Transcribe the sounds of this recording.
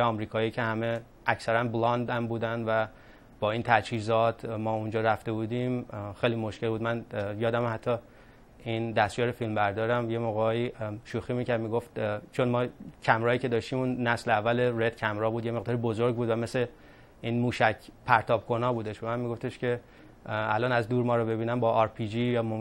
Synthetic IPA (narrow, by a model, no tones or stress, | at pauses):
jeɒmɾiːkʰɒːiːcʰe̞hæme̞ | ʔæcsæɾænblɒnd̪æmbuːd̪ænd̪væ | b̥ɒːiːnt̪ʰæd͡ʒhiːzɒt̪ʰmɒːund͡ʒɒːɾæft̪e̞buːd̪imxejlimo̞ʃce̞lbuːd̪mænjɒːd̪æmhæt̪ʰːɒ | ind̪æst̪jɒːɾefilmbæɾd̪ɒːɾæmjemoɣɒːjiʃuximiːcæɾd̪miːɡo̞ft̪t͡ʃʰonmɒːcʰæmɾɒːjiːce̞d̪ɒːʃt̪iːmuːnːæsleævːæleɾet̪cʰæmɾɒːbuːd̪jeme̞ɣd̪ɒːɾibozoɾɡbuːd̪væme̞se | iːnmuːʃæcʰpʰæɾt̪ʰɒːb̥̚kʰo̞nɒːbuːd̪eʃbemænmiɡo̞ft̪eʃcʰe̞ | ælɒːnæzd̪uːɾmɒːɾɔbe̞biːnæmbɒːʔːɾpʰid͡ʒijmom